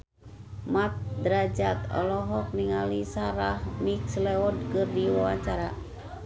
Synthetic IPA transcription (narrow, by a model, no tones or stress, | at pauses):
mat̪̚dɾad͡ʒat̪ɔ̰lɔɦɔk̚niŋalisaɾahmikslɛɔd̚kɨrdiwawaɲt͡ʃaɾa